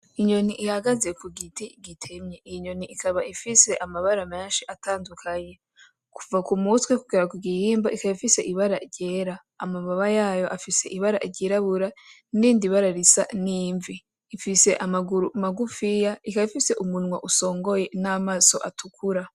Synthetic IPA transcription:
iɲo̞niʔihaɡazekuɡitiɡitʰe̞mɲeʔiiɲo̞niʔikʰaβaʔifise̞ʔamaβaɾame̞ːnʃiʔataːndukʰaɲe̞ | kuvakumutwekuɡiɾakuɡihiːmbaʔikaβaifise̞ʔiβaɾaiɾɟe̞ːɾaːmaβaβajaːjo̞ʔafise̞̰ʔiβaɾa̰ʔiɾɟiɾaβuɾandiːndiβaɾaɾisa̰niːɱviː | fise̞ʔamaɡuɾumaɡufijaikaβifise̞ʔumunwaʔuso̞ːŋɡo̞je̞naːmaːso̞ʔatʰukʰuɾa

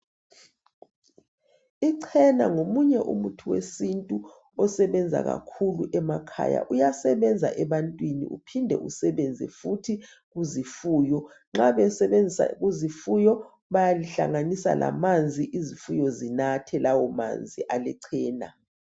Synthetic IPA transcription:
iǀʰɛna̰ŋomuɲɛʔṵmutʰuwḛsintʼu | ɔsɛβɛnd͡zʱa̰ɣa̰kʰuluʔɛmakʰa̰ja̰ʔujasɛβɛnd͡zʱa̰ʔɛβantʼwinḭʔṵpʰindʱɛ̰ʔusɛβɛnd͡zʱɛ̰futʰi | ɣuzifuːjɔ | ŋ͡ǁaβɛsɛβend͡zʱsa̰ɣuzifujɔ | βajaliɬa̰ŋanisa̰lʔa̰mand͡zʱiʔizifujɔzinatʰɛlawɔma̰nd͡zʱiʔalɛǀʰɛːna̰

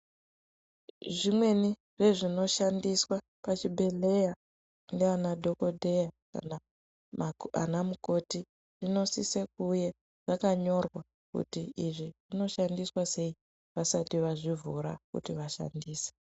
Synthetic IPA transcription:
ʐimwe̞ni | re̞ʐino̞ʃandiswa | pat͡ʃibʱe̞le̞ja | ndeanadʱo̞ko̞dʱe̞jaka̰na | ma̰namuko̞ti | ʐ̥ino̞sisek̚uje | ʐ̥akaɲo̞rwa | kṵtiiʐiʐino̞ʃandiswase̞i | ʋasatiʋaʐivuɾa̰kṵtiʋaʃa̰ndiːse̥

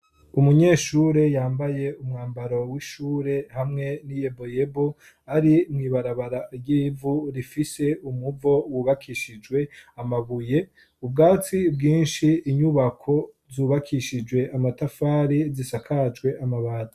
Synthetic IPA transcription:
umuɲeːʃuːɾe̞jaːmbaje̞umŋaːmbaɾo̞wiʃuːɾe̞hamŋe̞nije̞bo̞je̞bo | aɾimŋiːβaɾaβaɾaɾjiːvuɾifise̞umuvo̞wuːβakʰiʃid͡ʒwe̞amaβuje̞ | ub̚ɡaːt͡sibɡiːnʃiːɲuβakʰo̞ | zuːβakʰiʃid͡ʒwe̞ʔamatafaːɾizisakʰat͡ʃwe̞ʔamaβaːda

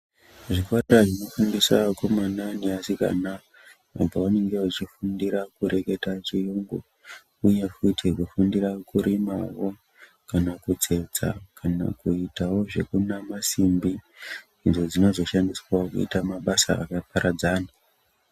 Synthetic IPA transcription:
ʐikwariraʐino̞fundisakomananiasika̰na | a̰baane̞ŋɡe̞ut͡ʃifundiɾakuɾe̞ke̞tat͡ʃijuːŋɡo̰ | uje̞kʰutʰikufundiɾakuɾimawo̞ | kanakud͡ze̞d͡za̰kʰana̰kuitawo̞ʐe̞̰kunamasimbi | inzo̞d͡zino̞zo̞ʃandiswaokṵḭtamaɓasa̰a̰kapaɾʔad͡zaːna

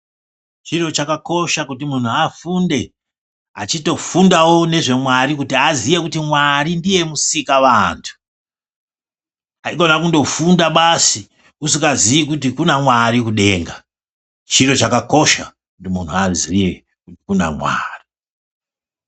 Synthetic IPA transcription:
t͡ʃiɾo̞t͡ʃakako̞ʃakutimun̤uafunde̞ | at͡ʃito̞fundawo̞ne̞ʐe̞mwaɾikutiazije̞kutimwarindije̞musikaʋantʰu̥ | aiɡo̞nakundo̞fundaɓasi | usikazijik̬utikunamwaɾikuɗe̞ːŋɡa | t͡ʃiro̞t͡ʃakako̞ʃa | kutimun̤uazije | kutikuna̰mwa̰ːri

